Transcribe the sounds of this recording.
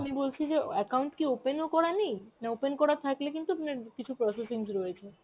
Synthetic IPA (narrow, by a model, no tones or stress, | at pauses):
amibolt͡ɕʰid͡ʑeɛkawɳʈkiopenokɔɾanijnaopenkɔɾat̪ʰaklekint̪uanekit͡ɕʰupɾɔsesiŋsɾɔet͡ɕʰe